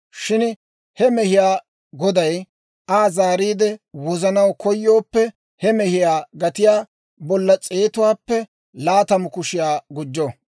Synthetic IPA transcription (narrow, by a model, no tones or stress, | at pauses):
ʃɪn | hɛmɛhɪjaː | ɡɔd̪ɐj | ʔaːzaːɾiːd̪ɛwɔzɐnɐwkɔjːo̞ːpːɛ | hɛmɛhɪjaːɡɐt̪ɪjaː | bɔlːɐt͡sʼe̞ːt̪ʊwaːpːɛ | laːt̪ɐmʊkʊʃɪjaːɡʊd͡ʒːɔ